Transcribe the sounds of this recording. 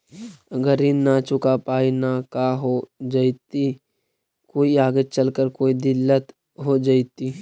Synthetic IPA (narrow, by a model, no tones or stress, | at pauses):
ɡəɾinat͡ʃʊkapaːinakaɦod͡ʒait̪i | koːiaːɡet͡ʃəlkəɾkoːid̪ɪlːət̪ | ɦod͡ʒaːit̪i